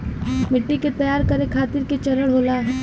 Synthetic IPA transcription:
mɪʈːiket̪ɐjaːɾkɐɾekʰaːt̪ɪɾket͡ʃɐləɽɦoːlaːɦ

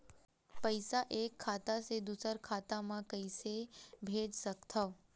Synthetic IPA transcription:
pəɪsaʔeːkʰːaːt̪ased̪usəɾkʰaːt̪amãkəisebʱeːd͡ʒsəkt̪ʰa

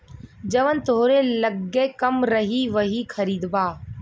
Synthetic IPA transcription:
d͡ʒəʋənt̪oːɾeːləɡeːkəmɾəɦiːʋəɦiːkʰəɾiːd̪baː

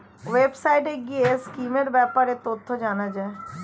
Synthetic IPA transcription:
ʋeːbsaːiʈeɡieskiːmeɾbɛːpəɾet̪ot̪ʰːod͡ʒaːnaːd͡ʒaːe

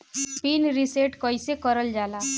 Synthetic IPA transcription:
pinɾiseʈkɔjsekəɾəld͡ʒala

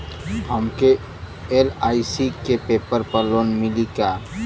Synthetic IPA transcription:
ɦəmke | elaːisikepeːpəɾpəɾloːnmɪlika

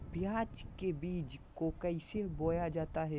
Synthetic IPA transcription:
bɪjãːt͡ʃkebiːd͡ʒkokɛɪseboːjad͡ʒaːt̪aɦɛ

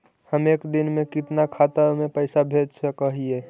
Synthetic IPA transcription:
həmeːkd̪ɪnmẽkɪt̪nakʰat̪əɾmẽpəɪsabʱed͡ʒsəkəɦie

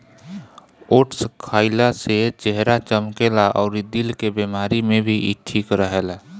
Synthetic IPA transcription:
oːʈskʰaːɪlaset͡ʃeɦɾat͡ʃəmkelaʔɔːɾid̪ilkebemaːɾimẽbʱiiʈʰiːkɾəɦela

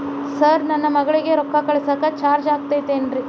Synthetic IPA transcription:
sɐɾnɐnːɐmɐɡɐɭiɡe̞ɾɔkːɐkɐɭesɐkːɐt͡ʃaːɾd͡ʒaːɡ̚t̪ajt̪eːnɾi

